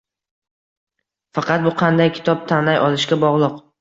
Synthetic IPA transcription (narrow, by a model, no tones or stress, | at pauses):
fɑqɑt̪̚bʊqʰɑnd̪ajkʲʰɪ̥t̪ʰɒp̚t̪ʰanlajʔɒlˠɪʃɡʲabɒʁlˠʊq